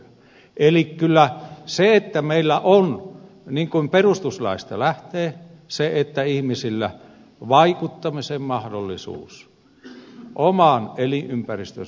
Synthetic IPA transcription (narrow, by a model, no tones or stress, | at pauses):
ʔelikkylːæseet̪ːæmeilːæʔon | niŋkuimperust̪uslɑ̰ist̪ɑ̰læht̪eːseet̪ːæihmisilːæ̰ | ʋɑikut̪ːɑmisemmɑhdolːisṵːs | ʔomɑnelinʔympærist̪ø̰